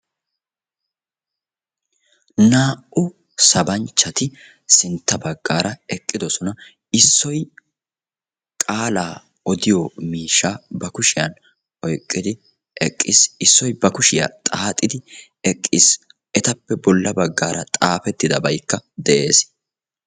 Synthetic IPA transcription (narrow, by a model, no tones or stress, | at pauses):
naːʔʊ | sɐbɐnt͡ʃːɐt̪ɪ | sɪnt̪ːɐbɐɡːaːɾɐɛkʼːɪd̪ɔsɔnɐ | ɪsːɔj | kʼaːlaː | ɔd̪ɪjɔmiːʃːaːbɐkʊʃɪjɐn | ʔɔjkʼːɪd̪ɪ | ʔɛkʼːɪsɪsːɔjbɐkʊʃɪja̰t̪ʼaːt̪ʼːɪd̪ɪ | ɛkʼːɪs | ʔɛt̪ɐpːɛbɔlːɐbɐɡːaːɾɐt̪ʼaːfɛt̪ːɪd̪ɐbɐjkːɐd̪ɛʔe̞ːs